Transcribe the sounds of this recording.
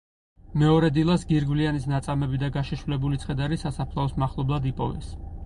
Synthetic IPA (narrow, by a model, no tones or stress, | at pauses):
mɛɔɾɛd̪ilˠasɡiɾɡvlianisnat̪sʼamɛbid̪aɡaʃiʃvlɛbulit̪sʰχɛd̪aɾisasapʰlˠaɔsmaχlˠɔblˠad̪ipʼɔvɛ̰s